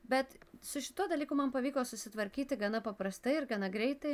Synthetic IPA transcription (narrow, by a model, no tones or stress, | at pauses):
bʲɛt̪sʊʃʲɪ̥t̪uɔd̪ɐlʲiːkʊmɐnpɐʋʲiːkoːsʊsʲɪt̪ʋɐɾʲkʲiːt̪ʲɪɡɐnɐpɐpɾɐst̪ɐɪɪɾɡɐnɐɡɾʲɛɪt̪ɐɪ